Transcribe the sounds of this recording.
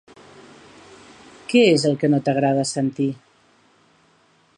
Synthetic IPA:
kɛezəlˠkənot̪əɣ̞ɾað̞əsənt̪i

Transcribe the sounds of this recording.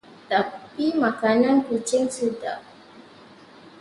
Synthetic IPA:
t̪apimakanãnkut͡ʃɪŋsuda̰ʔ

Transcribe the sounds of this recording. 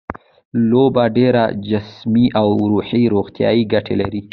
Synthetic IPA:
lobaɖeɾa̰d͡ʒɪsmiʔawɾuħiɾoɣt̪jɑ̰jiɡaʈʰelaɾi

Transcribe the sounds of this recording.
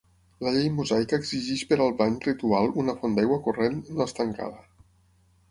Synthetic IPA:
ləʎejmuzajkaːɡziʒiʃpəɾalˠβanrit̪ualˠunəfond̪ajɣwəkurenːoəst̪əŋka̰ðə

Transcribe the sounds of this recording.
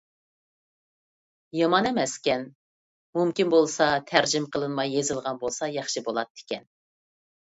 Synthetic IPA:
jɑmɑnɛmɛskʲɛn | mumkʲinbolˠsɑt̪ʰæɾd͡ʒɪmqʰəlˠɨnmɑjːezɨlˠʁɑnbolˠsɑjɑχʃɨbolˠɑt̪ːe̥kʲɛn

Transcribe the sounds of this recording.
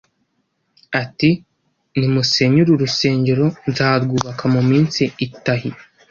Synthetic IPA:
ati | nimuse̞ɲuɾuɾuse̞ːɲɟe̞ɾo̞nzaːɾɡuːβakamumiːnsiːtaɦi

